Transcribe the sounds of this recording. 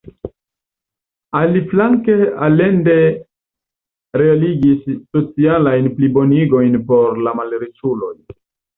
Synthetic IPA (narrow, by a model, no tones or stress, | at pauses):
aliflaŋke̞ale̞nde̞ | ɾe̞aliɡisːo̞t͡sialajnplibo̞niɡo̞jnpo̞ɾlamalɾet͡ʃulo̞j